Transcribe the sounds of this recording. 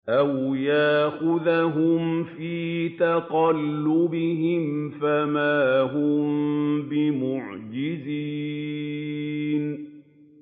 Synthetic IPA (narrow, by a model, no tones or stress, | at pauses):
ʔawjaʔxʊðaɦʊmfiːt̪aqɑlːʊbɪɦɪmfamaːɦʊmbɪmʊʕd͡ʒɪziː | n